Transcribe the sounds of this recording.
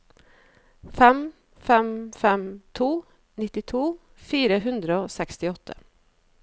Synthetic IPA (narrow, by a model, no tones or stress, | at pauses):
fɛm | fɛmfɛmt̪ʰuː | nɪt̪ɪt̪ʰuː | fiːɾəɦʉnd̪ɾəoːsɛkst̪ɪɔt̪ʰə